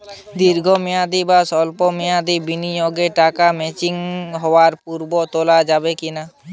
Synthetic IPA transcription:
d̪iɾɡʱomijad̪ibasɔlpɔmijad̪ibinijoɡeʈaːkamɛːt͡ʃɪŋɦɔwaɾpuɾbɔt̪olad͡ʒaːbekɪna

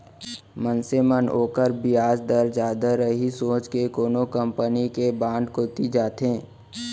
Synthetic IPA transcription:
mənsemənoːkəɾbɪjaːd͡ʒd̪əɾd͡ʒaːd̪əɾəɦisõːt͡ʃkekoːnokə̃mpənikebãːnɖ̪koːt̪id͡ʒaːt̪ɦẽː

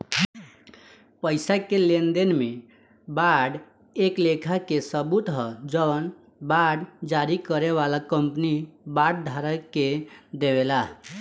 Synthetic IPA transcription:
pəɪsakelend̪enme | baɖ | eklekʰakesəbut̪ɦəd͡ʒən | baɖd͡ʒaɾikəɾeβalakəmpnibaɽɖ̚d̪ʱaɾəkːed̪ebela

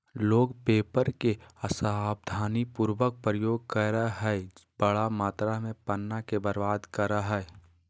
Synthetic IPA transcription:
loːɡpeːpəɾkeəsaaːb̚d̪ʱaːnipuːɾwək̚pɾəjoːɡ̚kəɾaɦɛb̥əɽamaːt̪ɾamẽpənːakebəɾʋaːd̪kəɾaɦɛ

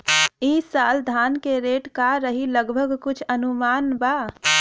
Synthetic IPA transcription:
isald̪ʱankeɾeʈkaɾəɦiləɡbʱəɡkut͡ʃʰənumanba

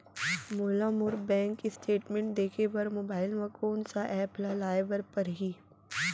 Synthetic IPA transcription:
moːlaːmʊɾbɛ̃ːŋkːisʈʰeːʈmẽɳʈ̚d̪eːkʰebɐɾmoːbaːɪlmakoːnsaʔɛːplalaːɪbəɾpɐɾɦiː

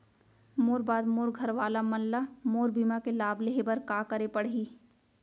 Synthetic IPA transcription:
moːɾbaːd̪moːɾɡʱɐɾʋaːlamɐllamoːɾbiːmakelaːbleɦebɐɾkaːkəɾepɐɽ̤iː

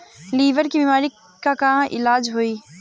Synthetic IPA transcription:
liːʋəɾkibiːmaːɾi | kakɐɦãʔɪ̰laːd͡ʒɦoiː

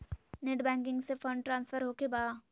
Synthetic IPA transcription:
neʈbɛ̃ːŋk̬ɪ̃ŋɡsefə̃ɳɖʈɾãːnsfəɾɦokebaː

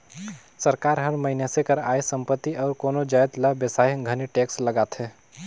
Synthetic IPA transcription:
sɐɾkaːɾɦɐɾməɦinesekəɾa̰ːesə̃mpət̪ːiʔɔːɾkoːnod͡ʒaːjt̪ləbjəsaːjɡʱɐniʈeːkslɐɡaːt̪ɦɛː

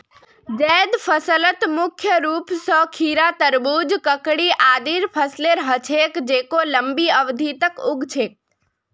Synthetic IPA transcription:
d͡ʒed̪fʰəsələt̪mʊkʰjəɾupsɔkʰiɾat̪əɾbud͡ʒkəkɽiʔad̪iɾpʰəsleɾɦət͡ʃʰekd͡ʒekoləmbiəʋd̪ʱit̪əkʊɡt͡ʃʰek̚

